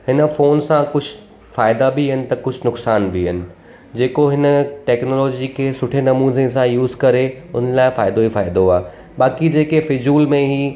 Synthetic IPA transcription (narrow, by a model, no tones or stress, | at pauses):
hɪnəfoːnsãkʊd͡ʑʱʊ̆ | faːɪd̪abɪɦɐnɪ̆t̪ɐkʊd͡ʑʱʊnʊksaːnbiɦɐnɪ̆ | d͡ʑeːkoɦɪnə̆ʈɛːknoːlɔːd͡ʑikʰeːsʊʈʰenɐmũːzesãjuːzkɐɾeʊnəlaːɪfaːɪd̪oifaːɪd̪oaː | baːkid͡ʑeːkefɪd͡ʑuːlmẽɦiː